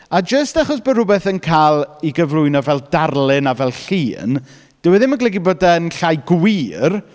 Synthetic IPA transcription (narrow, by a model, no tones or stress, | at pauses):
ad͡ʒəstaχɔsb̥ərʊbɛθənkʰaːlˠiɡəvrʊɨnɔvɛlˠdarlˠɪnavɛlˠɬiːn | d̥əwɛðɪmaɡlɛɡiboːdanɬajɡwiːr